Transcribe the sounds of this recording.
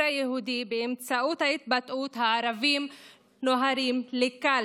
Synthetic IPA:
ajehud̪ibeɪmt͡saʔut̪ait̪̚bat̪ʔuːt̪haaɾavim | noɦaɾimlikal

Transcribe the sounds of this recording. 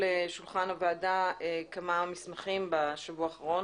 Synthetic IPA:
eʃulχanovaːdaekamamismaχimbaʃavuaaχaʁo

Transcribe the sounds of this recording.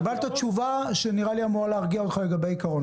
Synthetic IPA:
balt̪at͡ʃuvaʃeniʁaliamoʁaleaʁɡiaot̪χale̞ɡabejikaʁon

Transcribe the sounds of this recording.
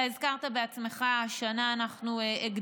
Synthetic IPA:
aezkaʁt̪abe̞at͡sme̞χaaʃanaːnaχnuʔeɡd

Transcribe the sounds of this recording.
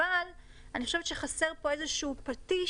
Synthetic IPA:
al | aniχo̞ʃevt̪ʃeχaseʁpo̞ezeʃuːpati

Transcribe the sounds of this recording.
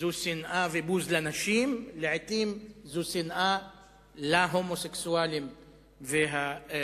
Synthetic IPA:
zusinʔavebuzlanaʃimleʕet̪imzusinʔa | laɦomoseksualim | veɦa

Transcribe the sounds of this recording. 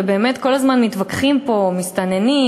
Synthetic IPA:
ebe̞ːmet̪ko̞lazmanmit̪vakχimpo̞mist̪ane̞ni

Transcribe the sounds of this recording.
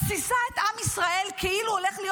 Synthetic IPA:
sisaet̪ʔamisʁae̞lkʰeiluoleχlij

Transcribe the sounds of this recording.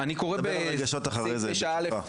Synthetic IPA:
anikoʁebeeɡaʃot̪aχaʁejzeʃaale

